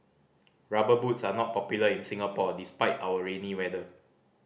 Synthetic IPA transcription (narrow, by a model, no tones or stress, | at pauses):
ɹabəbutsanɔt̚pɔpjuləĩnsĩŋapɔdispaɪtawəɹẽniwɛdə